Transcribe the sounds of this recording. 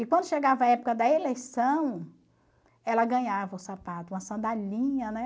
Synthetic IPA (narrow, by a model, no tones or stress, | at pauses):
ɪkwɐ̃nd̪ʊʃeɡavɐːɛpʊ̥kɐd̪ɐelejsɐ̃w̃ | ɛlɐɡɐ̃ɲavɐʊsapat̪ʊũmɐsɐ̃nd̪alĩɲɐnɛ